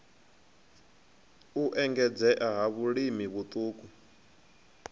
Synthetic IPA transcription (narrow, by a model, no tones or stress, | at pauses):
uʔɛŋɡɛd͡zɛʔaɦaβuɺimiβut̪ʼuːkʼu